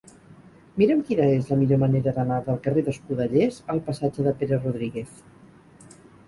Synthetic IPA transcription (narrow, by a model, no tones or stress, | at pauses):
miɾəmkinəezləmiʎoməneɾəðənaðəlˠkəreðəskuðəʎezəlˠpəsad͡ʒəðəpeɾəruðɾiɣeθ